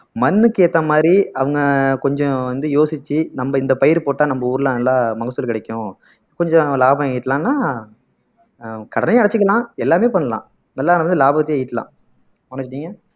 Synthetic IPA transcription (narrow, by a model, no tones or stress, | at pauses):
mɐnːɯkːeːt̪ːɐmaːd̪ɾiɐʋɐŋɡɐkɔɲd͡ʒɔ̃ʋɐnd̪ɯjoːsɪt͡ʃːɯnɐmbɐɪnd̪ɐpɐjɪɾpoːʈːaːnɐmbɐuːɾɯlɐlːaːmɐɣɐsːʊlkɪɽɛkʲːʊ̃ | kɔɲd͡ʒɔ̃laːbɐ̃ɐjɪʈːlãːnːaː | kɐɽɐnɐjːɐɽɐt͡ʃːɯkːɐlãːɛlːaːmeːpɐɳːɐlã̰ː | nɐlːaːnʋɐnd̪ɯlaːbɐt̪ːeɐjɪʈːɐlã̰ː | mʊnɐt͡ʃːɯʈiːŋɡɐ